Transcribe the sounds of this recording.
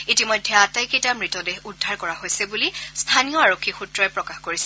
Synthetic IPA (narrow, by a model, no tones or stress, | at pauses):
itimɔjdʱːɛatajkejtamɹitɔdeudʱːaɹkɔɹaɦojsɛbulistʰanijɔaɹokʰːixutɹɔɛpɹɔkaxkoɹisɛ̥